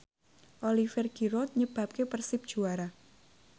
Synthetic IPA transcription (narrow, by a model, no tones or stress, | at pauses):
ʔolifɛrɡiɾɔt̪̚ɲəb̥a̤p̚kepərsɪp̚d̥ʒ̥uaɾa